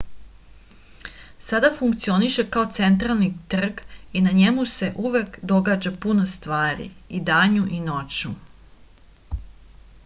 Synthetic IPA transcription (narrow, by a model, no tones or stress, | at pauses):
sad̪afuŋkt̪sio̞niʃe̞kao̞t̪se̞nt̪ɾalˠnit̪r̩ɡinaɲemuse̞ʔuʋe̞kd̪o̞ɡaːd͡ʑapunost̪ʋaːɾḭid̪aːɲuʔinot͡ʃu